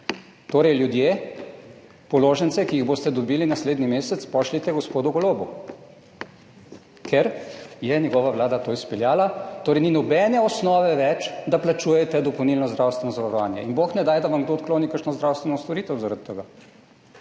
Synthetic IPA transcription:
t̪oːɾɛjljud̪je | pɔloːʒənsɛkiiɣboːst̪ɛd̪ɔbilinasleːd̪nimeːsɛt̪spɔʃlit̪ɛɡɔspoːd̪uɡɔloːbu | kʰɛɾjɛnʲjɛɡɔːʋaʋlaːd̪at̪oispɛljaːlat̪oːɾɛjninɔbɛnɛɔsnɔːʋɛʋɛt͡ʃd̪aplat͡ʃuːjɛt̪ɛd̪ɔpownilnɔzd̪ɾawst̪ʋɛnɔzaʋaɾɔʋaːnjɛ̰inboxnɛd̪aːjd̪aʋamɡd̪oːt̪̚klonikəɾʃnɔzd̪ɾawst̪ʋɛnɔst̪ɔɾit̪ɛwzaɾat̪ːəɡaː

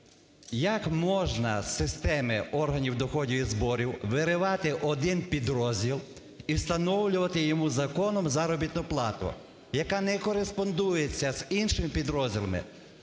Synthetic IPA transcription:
jɐkmɔʒnɐ̰sɪst̪ɛmɪɔrɦɐnʲiwd̪ɔxɔdʲiizbɔɾʲiwʋɪɾɪʋɑt̪ɪʔɔd̪ɪnpʲid̪ɾɔzʲdʲilˠ | ist̪ɐnɔwlʲʊʋɐt̪ɪjɔmuzɐkɔnɔmzɐɾɔbʲit̪nʊplˠɑt̪ʊ̰ | jɐkɑnɛkɔɾespɔnd̪ujet͡sʲːɐzinʃɪmɪpʲid̪ɾɔzʲdʲilˠɐ̰mɪ̰

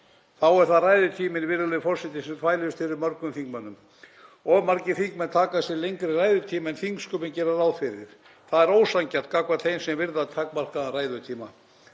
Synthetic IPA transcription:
θawɛɾ̥θaðraːjðʏt̪ʰiːmɪnvɪɾalɪfɔrsɛt̪ɪsɛmt̪ʰvaːjlɪʏst̪fɪɾɪɾmœɾkʏmθiŋkmanʏm | ɔmaɾcɪθiŋkmɛnt̪ʰaːkasjɛlejŋkɾɪraːjðʏɾt̪ʰiːmaɛnθiŋkskʏpɪncɛːɾaawfɪɾɪɾ̥ | θaðɛɾoːwsaɲcḁt̪̚kakvat̪θejnsɛmvɪɾðat̪ʰaːkmar̥karaːjðʏt̪ʰiːma

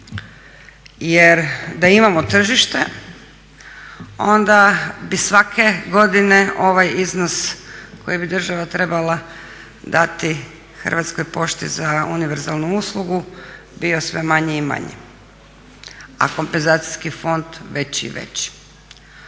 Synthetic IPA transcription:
jeɾd̪aimamot̪r̩ʒiʃt̪e̞̰ | o̞nd̪abisʋakʰe̞ɡo̞d̪ine̞o̞ʋajiznosko̞jibid̪r̩ʒaʋat̪ɾe̞balˠa | d̪at̪i | xrʋat̪sko̞jpo̞ʃt̪ḭzauniʋeɾzalˠnuuslˠuɡu | bio̞sʋe̞maɲeima̰ɲḛ | a̰ko̞mpenzaːt̪si̥skifo̞nd̪ʋet͡ɕḭʋḛt͡ɕ

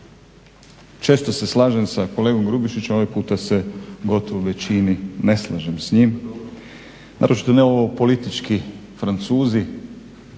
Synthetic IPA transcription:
t͡ʃe̞ːst̪o̞se̞slˠaːʒemsako̞le̞ːɡo̞mɡɾubiʃit͡ɕemo̞ʋijpuːt̪ase̞ɡo̞t̪oʋoʋe̞t͡ɕinine̞slˠa̰ʒemsɲim | na̰ɾo̞t͡ʃi̥t̪o̞neoʋopo̞lit̪it͡ʃkifɾant̪suːzi

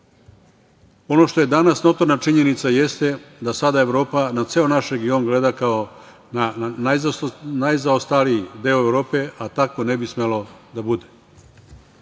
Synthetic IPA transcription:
o̞no̞ʃt̪o̞je̞d̪anasno̞t̪o̞ɾnat͡ʂiɲe̞nit̪saje̞st̪ed̪asad̪ae̞ʋɾo̞ːpanat̪se̞onaʃɾeɡio̞nɡle̞d̪akao̞ | nananajzaost̪aliid̪e̞ːoe̞ʋɾo̞ːpe̞ʔat̪ako̞ne̞bismelo̞d̪abud̪e̞

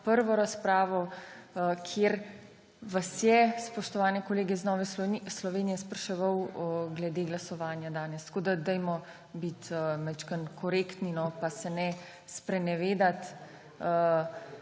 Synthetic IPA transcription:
pəɾʋɔɾaspɾaːʋɔ | kʰjeɾ | ʋasjɛspɔʃt̪ɔʋaːnɛkɔleːɡɛznɔːʋɛslɔʋeːnijɛspɾɐʃɛʋawɡlɛd̪eːɡlasɔʋaːnjad̪aːnɛst̪koːd̪ad̪ɛjmɔ | bit̪ːmɛt͡ʃkənkʰɔɾekt̪ninɔpasɛnɛ | spɾɛnɛʋeːd̪at̪ | ə

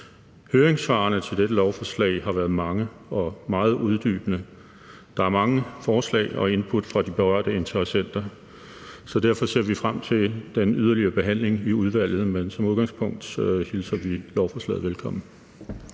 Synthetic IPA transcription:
høːɐeŋsfɑ̈ɐnət͡sʰe̝ld̥eɾəlɒʊfɒslɛ̰ɪɦɑ̈ʋæːɐð̞̩ˠmɑ̈ŋə | ɒ̽mɑ̈ːð̩ˠuð̞ˠd̥y̰ːb̥ənə | d̥ɑ̈æɐmɑ̈ŋəfɒːslɛ̰ɪɒ̽e̝npʰud̥fʁɑ̈d̥ib̥e̝ʁɶɐ̰d̥əe̝nt͡sʰɐʁɐsen̰d̥ɐ | sɒ̽d̥æɐ̰fɒ̽se̝̰ɐ̰ʋifʁam̰t͡sʰe̝ld̥enyð̞ˠɐliɐːb̥e̝ɦæn̰le̝ŋiuð̞ˠʋæl̰ð̞̩ˠmensɒ̽muð̞ˠɡ̥ɑ̈ŋspʰɔ̽ŋ̰d̥hilsɐʋilɒʊfɒslɛ̰ːð̩ˠʋelkʰɒ̽m̰n̩

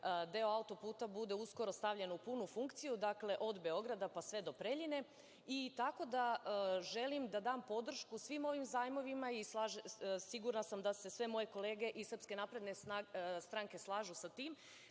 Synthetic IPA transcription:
d̪e̞oaut̪o̞puːt̪abud̪e̞usko̞ɾo̞st̪aʋʎe̞nupunufuŋkt̪sijud̪akle̞ʔo̞d̪be̞o̞ɡɾad̪apasʋe̞d̪o̞pɾeʎine̞ | it̪ako̞d̪aʒe̞limd̪ad̪aːmpo̞d̪r̩ʃkusʋiːmo̞ʋimzaːjmo̞ʋimaislaʒsiɡuɾnasamd̪ase̞sʋe̞mo̞je̞ko̞lˠe̞ːɡe̞ʔisrpske̞naːpɾe̞d̪neast̪ɾaŋke̞slˠaːʒusat̪iːm

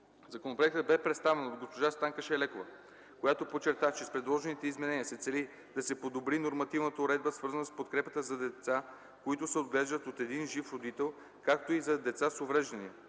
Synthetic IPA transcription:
zɐkonopɾoɛk̚t̪əd̪bɛpɾɛt̪st̪avɛnod̪ɡospoʒast̪aŋkəʃɛlɛkovə | kojat̪opot͡ʃːɛɾt̪aft͡ʃɛspɾɛd̪lˠɔʒɛnit̪ɛizmɛnɛniəsɛt̪sɛli | d̪̥ɐsɛpod̪obɾinoɾmɐt̪ivnət̪əʊɾɛd̪̚bəsvɤɾzənəspot̪kɾɛpət̪əzɐd̪ɛt̪sa | koit̪ʊsɛod̪ɡlɛʒd̪ət̪ot̪ɛd̪inʒifɾod̪it̪ɛlˠ | kakt̪oizɐd̪ɛt̪sasovɾɛʒd̪ɐniə

